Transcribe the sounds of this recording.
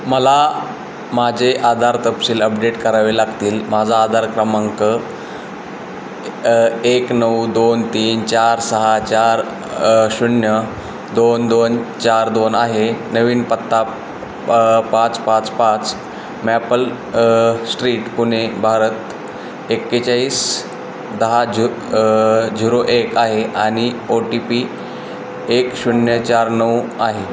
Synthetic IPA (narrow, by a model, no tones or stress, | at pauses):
məla | mad͡ʑʱeʔad̪ʱaɾt̪əpsiːləpɖeʈkəɾaʋelaɡt̪iːlmad͡zʱaːd̪ʱaɾkɾəmaŋkə | eknəwd̪ont̪iːnt͡ɕaɾsəɦat͡ɕaɾ | ɕunjə | d̪ond̪ont͡ɕaɾd̪onaɦenəʋiːnpət̪ːa | pãt͡spãt͡spãt͡s | mæpəl | sʈɾiːʈpunebʱaɾət̪ | ekːet͡ɕaiːs | d̪əɦa | d͡ʑiɾoʔekaɦeaɽ̃ioʈipi | ekɕuɳjət͡ɕaɾnəwaɦe